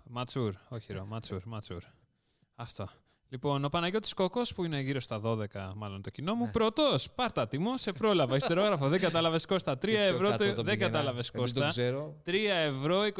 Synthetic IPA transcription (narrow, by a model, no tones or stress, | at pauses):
mɐt͡suɾo̞çiɾomɐt͡suɾmɐt͡sṵɾ | ɐft̪o̞ | lipo̞nopɐnɐʝo̞t̪i̥sko̞ko̞spuine̞ʝiɾo̞st̪ɐðo̞ðe̞kɐmɐlo̞nt̪o̞cino̞mupɾo̞t̪o̞spɐɾt̪ɐt̪imose̞pɾo̞lɐvɐist̪eɾo̞ɣɾɐfoðeɡɐt̪ɐlɐve̞sko̞st̪ɐt̪ɾiɐevɾot̪ðeɡɐt̪ɐlɐveskos̬t̪ɐɾot̪ɾiɐevɾo̞ik